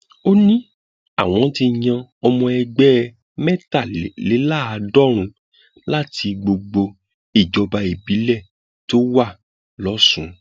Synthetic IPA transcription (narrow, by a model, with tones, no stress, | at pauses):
o˦nĩ˦ | a˦˨w̃ɔ̃˨˦ti˧ɲ̃ã˧ɔ˧mɔ̃˧ɛ˧ɡ͡bɛ˦˧ | mɛ˦ta˦˨le˨˦la˦˨a˨˧dɔ˦ɾ̃ũ˧ | la˦ti˧ɡ͡bo˧ɡ͡bo˧ | i˦˨d͡ʒɔ˧ba˧e˨bi˨˦lɛ˦˨ | to˦wa˦˨ | lɔ˨˦sũ˨˦